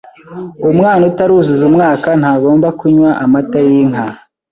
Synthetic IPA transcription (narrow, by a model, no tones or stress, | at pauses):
umŋaːnutaɾuːzuzumŋaːkanhaːɡo̞ːmbakuɲwaʔamatajiŋ̥a